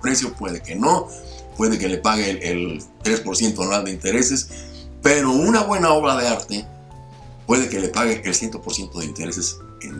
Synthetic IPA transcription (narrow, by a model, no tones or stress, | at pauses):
pɾe̞sjo̞pwe̞ðeke̞no̞ | pwe̞ðeke̞le̞paɣeːlt̪ɾe̞spo̞ɾsje̞nt̪onald̪eint̪e̞ɾe̞ses | pe̞ɾo̞unaβwe̞nao̞β̞ɾaðe̞aɾt̪e | pwe̞ðe̞ke̞lepaɣeʔelsje̞nt̪opo̞ɾsje̞nt̪o̞ðeint̪e̞ɾe̞se̞s | ḛn